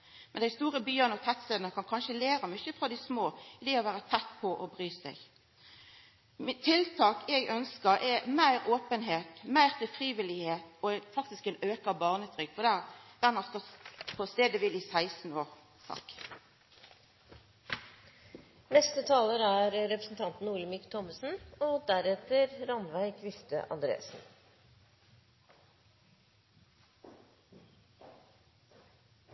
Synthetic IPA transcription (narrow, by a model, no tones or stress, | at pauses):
mɛnd̪æɪst̪uːʁəbyːənɔt̪ʰæt̪seːd̪nəkʰɑnkʰɑnʃəleːʁəmyçəfʁɑd̪ɪsmoːɪd̪eːɔʋæːʁət̪ʰɛt̪ːpʰɔʔɔbʁyːsæɪɡ | mɪt̪ʰːɪlt̪ʰɑːkɛɡœnskəʁɛmæɪʁoːpənɦeːt̪mæɪʁt̪ʰɪlfʁiːʋɪlɪheːt̪ɔɛfɑk̚t̪ɪskɛnøːkɑbɑːʁnət̪ʰʁʏkːfɔd̪æʁd̪̥ɛnɑst̪ɔpʰɔst̪eːd̪əʋɪlɪːsæɪsn̩oːʁ | sɑ̰k | nɛst̪ət̪ʰɑːləɾæɾɾɛpɾəsn̩t̪ʰɑnt̪n̩uːɭəmikt̪ʰɔməsn̩ɔd̪æɾɛt̪əɾɾɑnʋæɪkʰʋɪft̪ə̰ʔɑ̰nd̪ɾḛːsn̩